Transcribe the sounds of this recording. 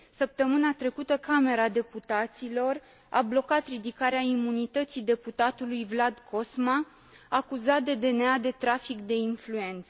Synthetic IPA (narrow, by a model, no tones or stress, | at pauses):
səp̚t̪əmɨnat̪ɾe̞kut̪əkame̞ɾad̪e̞put̪at̪silo̞r | a̰blo̞kat̪ɾid̪ikaɾeaimunit̪ət̪sid̪e̞put̪at̪ulujvlad̪kʰo̞sma | akuzat̪̚d̪e̞d̪e̞nead̪e̞t̪ɾafikd̪e̞influe̞nt̪sə